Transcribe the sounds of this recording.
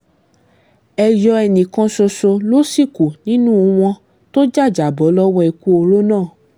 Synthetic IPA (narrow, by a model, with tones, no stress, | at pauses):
ɛ˧jɔ˧ɛ˧nĩ˨kɔ̃˧so˧so˧lo˦si˦˨ku˨nĩ˨˦nũ˦˧w̃ɔ̃˧ | to˦d͡ʒa˦˨d͡ʒa˨bɔ˨˦lɔ˦wɔ̃˦ɛ˧ku˦o˧ɾo˦nãː˦˨